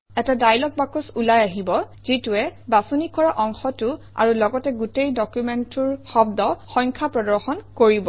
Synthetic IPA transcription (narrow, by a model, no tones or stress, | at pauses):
ɛtadajlɔk̚bakusulajaɦibɔ | z̥ituɛbasunikɔɹaʔɔŋxɔtʊ | a̰ɹulɔɡɔtɛɡutejdɔkjumɛntuɹxɔbdɔxɔjŋkʰapɹɔdɔɹxɔnkoɹibɔ